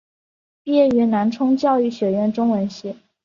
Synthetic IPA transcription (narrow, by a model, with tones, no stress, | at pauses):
pi˥jɛ˥˩y˧˥na˧˥nʈ͡ʂʰʊ˥ŋt͡ɕjɑ˥˧ʊy˥˩ɕɥɛ˨˩ɥɛ˥˩nʈ͡ʂʊ˥ŋwə˧˥nɕɛ˥˩